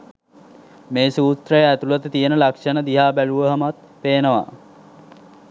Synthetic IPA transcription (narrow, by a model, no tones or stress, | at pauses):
meːsuːsɾəjəæt̪ulət̪ət̪ijənəlakʂənəd̪iɦaːbæluʋəɦəmat̪̚ | peːnəʋa̰